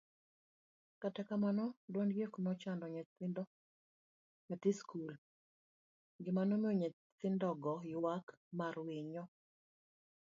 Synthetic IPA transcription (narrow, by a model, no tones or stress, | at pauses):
katɛkamanɔdwɔnɡeknɔt͡ʃandɔɲɛt̪ɪndɔ | atiskul | ɡɪmanomioɲɛ | t̪ɪndɔɡɔjɪwakmarweɲɔ